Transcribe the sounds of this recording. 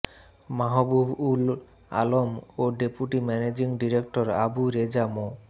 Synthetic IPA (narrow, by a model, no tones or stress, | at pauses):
maɦɔbubul | a̰lomoɖepuʈimɛned͡ʑiŋɖiɾek̚ʈoɾa̰buɾed͡ʑamo